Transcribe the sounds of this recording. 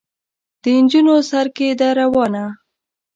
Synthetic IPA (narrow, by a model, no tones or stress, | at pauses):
d̪̥ənd͡ʒunosaɾked̪aɾawɑna